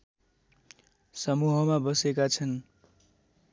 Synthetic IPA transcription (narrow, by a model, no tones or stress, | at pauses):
sʌmuɦʌmabʌsekat͡sʰʌn